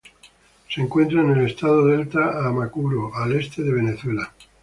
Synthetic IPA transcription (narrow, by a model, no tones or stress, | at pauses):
seŋkwe̞nt̪ɾaene̞le̞st̪aðoðe̞lt̪aamakuɾoale̞st̪e̞ðe̞β̞e̞neθwe̞la